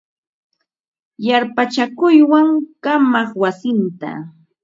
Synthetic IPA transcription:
jaɾpat͡ʃakʊjwaŋkamɑχwasɪnt̪a̰

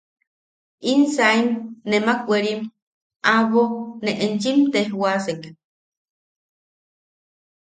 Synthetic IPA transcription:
insaimnemakʷeɾim | ʔaβoneʔent͡ʃimt̪eɦwaseŋɡ

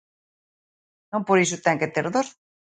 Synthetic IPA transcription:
nompoɾis̬ut̪aŋket̪eɾðos

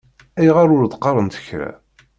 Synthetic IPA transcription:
æjʁaɾˤʊɾd̪qːɑɾˤənt̪ə̥çɾæ̰

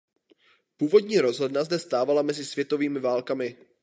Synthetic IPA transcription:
puːvo̞dɲiːɾo̞zɦodnazdɛst̪aːvalamɛzɪsv̥jɛt̪o̞viːmɪvaːlkamɪ

